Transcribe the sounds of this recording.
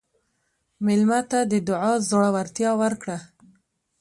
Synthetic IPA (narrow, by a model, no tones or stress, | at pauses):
mɪlmat̪ad̪əd̪ʊʕɑzoɽawaɾt̪jɑwəɾkɽa